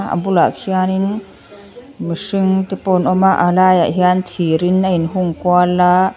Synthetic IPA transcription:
a̰mbulakʰianin | misɯŋt̪ɛpɔnɔmaʔalaːja̰ɦiant̪ʰiɾinajnɦuŋkwala

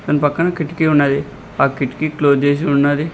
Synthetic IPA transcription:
t̪ənpəkːanãːkɪʈkiːʊãːd̪eː | akɪʈkiːkloːd͡ʒeːʃ̬ʊnːãːd̪iː

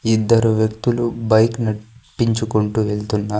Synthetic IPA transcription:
id̪ːɐɾuʋjɐkt̪ulubɐjknɐpːiɲt͡ʃukoɳʈuʋeɭt̪unːaː

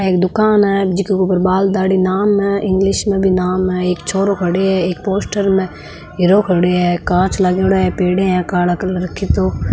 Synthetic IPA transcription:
eːk̚d̪ʊkaːnɦɛd͡ʒɪkeupəɾbaːld̪aːɽinaːmɦɛ̃ɪ̃ŋɡlɪʃmẽbʱinaːmɦɛeːkt͡ʃʰoːɾokʰəɽeɦɛeːkpoːsʈəɾmẽ | ɦɪɾoːkʰəɽeɦɛkãːt͡ʃlaɡeɽeɦɛpeːɽẽɦɛ̃kaːləklɾəkʰit̪oː

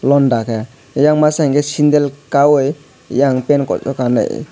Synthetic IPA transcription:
lɔndakɛ | jaŋmasaŋɡɛsind̪ɛlkawɔj | jaŋpɛnkɔ̰t͡sʼɔkanɯ̰j

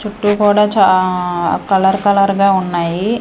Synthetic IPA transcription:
t͡ʃuʈːukuːɽaːt͡ʃa | kɐlɐɾkɐlɐɾɡaːunːaːji

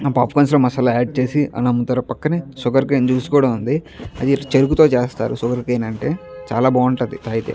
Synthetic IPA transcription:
ɐpaːpkɐːnsloːmɐsɐlɐaːɖ̚t͡ʃe̞ːsiʔɐ̰nɐmːut̪ɐɾɐpɐkːɐnisuɡɐɾkeːnt͡ʃuːsu̥kɔːɽɐmund̪iɐd̪it͡ʃeɾukut̪oːt͡ʃeːst̪a̰ːɾusuɡɐɾkeːnɐɳʈe̞ːt͡ʃa̰ːlaːbaːuɳʈɐnd̪it̪aːjit̪ḛː

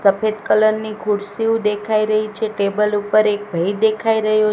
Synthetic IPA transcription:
səpʰed̪kələɾnikʰuɽsiũd̪ekʰaiɾəɦit͡ʃʰeʈebəlupəɾek̚bʱəid̪ekʰaiɾəɦjo

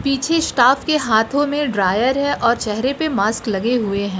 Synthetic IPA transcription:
piːt͡ʃʰesʈaːfkeɦaːt̪ʰõmẽɖɾaːjəɾɦɛ̃ʔɔːɾt͡ʃɛɦɾepemaːsklɐɡeɦʊeɦɛ̃ː

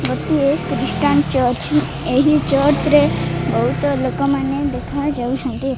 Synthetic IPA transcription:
ʋəkt̪uekɾɪsʈant͡ʃəɾt͡ʃ | eɦit͡ʃəɾt͡ʃɾebəɦut̪lokomaned̪ekʰad͡ʒauʃə̃nt̪i

